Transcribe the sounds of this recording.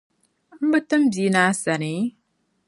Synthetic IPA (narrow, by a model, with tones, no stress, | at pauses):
m̩˦bɨ˦tɨ˦m̩˦bi˨˦na˨˦sa˨ne˨˦